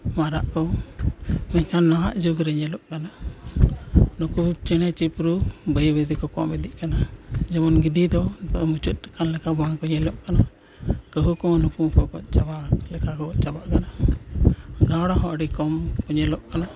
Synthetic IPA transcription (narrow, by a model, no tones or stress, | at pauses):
maɾaʔkɔ | mɛɲkʰanːaɦaʔd͡ʒuɡɾɛɲɛlɔʔkana | nɔkut͡ʃɛɽ̃ɛt͡ʃipɾubəjbezikɔkɔ̰mɛd̪iʔkanad͡ʒɛmɔnɡid̪id̪ɔt̪ɔmut͡ʃut̪̚kanlɛkabaŋkɔɲɛlɔʔkana | kəɦukɔnukumkɔkɔt͡ʃabalɛkʰakɔʔt͡ʃabaʔkana | ɡaɽaɦɔʔəɖikɔmkɔɲɛlɔʔkana